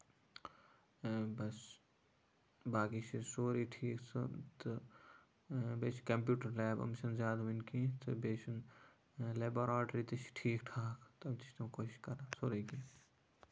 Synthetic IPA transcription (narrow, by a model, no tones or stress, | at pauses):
bɐs | baːkit͡ʃʰisoːɾiʈʰiːksʰɨt̪ɨ | beːt͡ʃʰkɐmpjuːʈɐɾlɛːbɐ̰mʃɐnzʲaːd̪ʋɐnkit̪ɨbeːt͡ʃʰun | leːboɾaːʈɾiːt̪ɨt͡ʃʈʰiːkʈʰaːkʰt̪ɐbt̪i̥t͡ʃt̪ɐkoːʃi̥ʃkɐɾasoːɾikiː